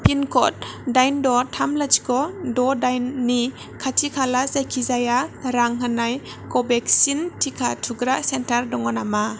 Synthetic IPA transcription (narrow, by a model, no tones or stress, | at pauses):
pʰinkʰɔt̚dajndɔtʰamlat͡ʃi̥kɔdɔdajnːi | kʰatʰikʰalazajkʰizajaɾaŋɦanaj | kɔbek̚sintʰikʰatʰuɡɾaʔsentaɾdɔŋɔnama